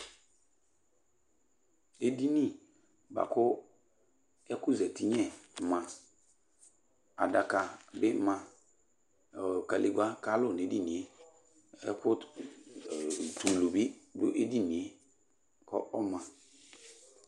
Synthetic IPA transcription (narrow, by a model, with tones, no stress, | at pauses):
e˨di˦nĩ˦˨ | ba̰˨kʊ˦ | ɛ˦kʊ˦zɛ˨ti˦ɲɛ̃˦˨mã˨ | a̰˨da˨ka˨bɪ˦mã˨ | ka˨li˨ɡ͡ba˦ka˦lʊ˦˨ne˨˦di˦nĩ˨e˦ | ɛ̰˦kʊ˦˨ | tu˨lo˨bi˦dʊ̰˦ʔe˦di˦nĩ˨e˦ | kɔ̰˦ʔɔ˦mã˨